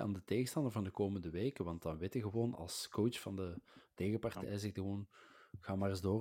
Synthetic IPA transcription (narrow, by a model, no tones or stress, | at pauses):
a̰ːndəteːɣəstɑndərvɑndəkoːməndəʋeːkəʋɑntɑnʋɪtəɣəʋoːnɑ̰lˠskowt͡ʃfɑndəteːɣəpɑrtɛ̰jzɪkdɣəoːnɣaːmaːrɪzdoː